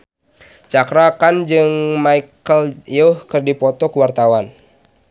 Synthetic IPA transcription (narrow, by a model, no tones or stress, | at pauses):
t͡ʃakɾakand͡ʒɨŋmaikəljɔhkɨrdipɔt̪ɔkəwart̪awan